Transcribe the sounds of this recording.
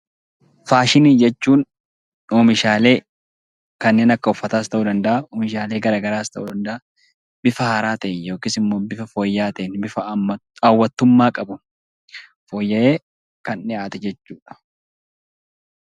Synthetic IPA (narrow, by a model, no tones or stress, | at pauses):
faːʃɪniːd͡ʒɛt͡ʃːuːn | oːmɪʃaːle̞ː | kɐnːe̞ːnɐkːɐʊfːɐt̪aːst̪ɐʔuːd̪ɐnd̪ɐʔaomɪʃaːle̞ːɡɐɾaːɡɐɾaːst̪ɐʔuːd̪ɐnd̪ɐʔa | bɪfɐhaːɾaːt̪ɐʔɪjjo̞ːkɪsɪmːoːbɪfɐfoːjːaːt̪ɐʔɪnbɪfɐɐwːɐt̪ːʊmːaːkʼɐbʊn | foːjːɐʔeː | kɐnnɪaːt̪ɛd͡ʒɛt͡ʃːuːᶑɐ̥